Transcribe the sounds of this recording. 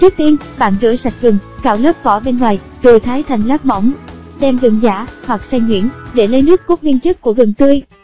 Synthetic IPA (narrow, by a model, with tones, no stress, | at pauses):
t͡ɕɨ˦˥ək̚t̪i˧ən | ɓa̰ː˧˨nzɨ̰˧˥sa˨˩jt̚ɣɨ˨˩ŋkaː˧˩wləː˦˥p̚kɔ˧˩ɓe˧nŋwaː˨˩j | zo˨˩jt̪ʰaː˨˦jt̪ʰa˨˩jŋ̟laː˦˥p̚mɔ̰˧˩wŋ͡mɗɛ˧mɣɨ˨˩ŋzaː˧˩hwa˨˩k̚sa˧jɲwḭ˧˥ənɗe˧˩lə˨˧˦jnɨ˦˥əkːu˦˥t̚mi˧ənt͡ɕɨ˦˥k̚kːu˧˩əɣə˨˩ŋt̪ɨ˧əj